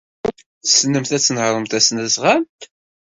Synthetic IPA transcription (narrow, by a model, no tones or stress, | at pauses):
θsnəmθæt͡sːnhɾˤəmt̪æsnæsʁæmt̪